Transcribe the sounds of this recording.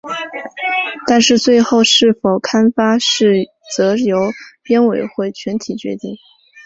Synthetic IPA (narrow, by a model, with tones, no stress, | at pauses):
t̪a˥˧nʂɻ̩˥˧t͡swe˥˧ɪxo˥˧ʊʂɻ̩˥˩fo˨˩ʊkʰa˥nfa˥ʂɻ̩˥˩ | t͡sɤ˧˥jo˧˥ʊpjɛ˥nwe˨˩ɪxwe˥˩ɪt͡ɕʰɥɛ˧˥nt̪ʰi˨˩t͡ɕɥɛ̰˧˥t̪i˥˩ŋ